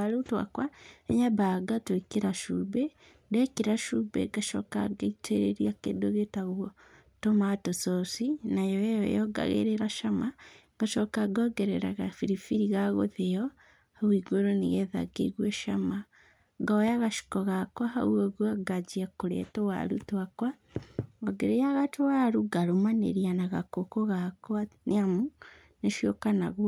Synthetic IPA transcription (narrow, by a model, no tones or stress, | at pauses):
aɾotwa̰kwaeɲabaɡatwekeɾaʃube | dekeɾaʃubḛɡaʃɔ̰ka̰ɡeiteɾeɾiakḛndoɣetaɣuo | tomatososinajɔejɔ̰jɔɡa̰ɣḛɾeɾaʃama | ɡ̥aʃɔkaɡɔɡɛɾɛɾaɣafiɾifiɾiɣaɣo̰ðeɔ | hawiːɡoɾoniɣeða̰ɡḛɣweʃama | ɡaojaɣaʃi̥koɣakwaha̰wuoɣwaɡad͡ʒiakoɾḛtowa̰ɾṵtakwa | ɡoɡeɾejaɣatowaɾuɡaɾomanḛɾjanaɣakokoɣakwaneamu | neʃokanaɣw